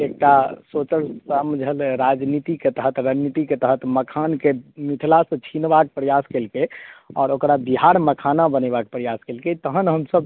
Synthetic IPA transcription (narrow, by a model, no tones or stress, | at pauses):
ek̚ʈasot͡ʃəɾsamd͡ʒʱəlɾad͡ʒnit̪iket̪əɦət̪ɾənit̪iket̪əɦət̪məkʰankemit̪ʰilasə̃t͡ʃʰinbakepɾəjaskelkeɔːɾokɾabiɦaɾməkʰanabənəbakepɾəjaskelket̪əɦənɦəmsəb